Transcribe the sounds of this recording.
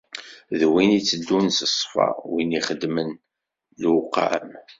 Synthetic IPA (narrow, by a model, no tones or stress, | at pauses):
ðwinit͡sːəd̪ːunsəsˤfɑ̰winiχəd̪mən | lqːa̰m